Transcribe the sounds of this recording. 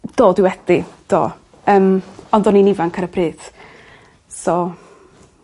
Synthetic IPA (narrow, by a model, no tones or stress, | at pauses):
d̥oːdɪwɛd̥id̥o̰ː | əːmɔndɔninivankʰaɾəbʰrɨːð̥ | sɔ